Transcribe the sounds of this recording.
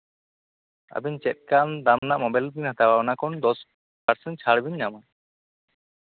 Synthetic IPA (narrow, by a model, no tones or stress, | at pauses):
a̰bint͡ʃɛt̪̚kand̪amnaʔmɔbalbinat̪awanakɔnd̪ɔs | paɾsɛn̚t͡ʃʰaɽbiɲːaman